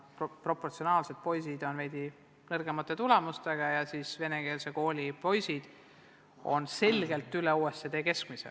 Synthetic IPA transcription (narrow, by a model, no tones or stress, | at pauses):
ppro̞pːˑort̪sionɑːlse̞d̪̥̚po̞jsid̪̥o̞nvejd̪̥ʲi | nɤrɡemɑt̪ːˑe̞t̪ule̞must̪e̞ɡ̥ɑjɑsiːsve̞neɡ̥e̞ːlse̞ko̞ːlʲipo̞jsid̪̥ | o̞̰nse̞lʲɡ̥e̞lt̪ˑːyleuːest̪ːed̪e̞ːke̞skmisḛ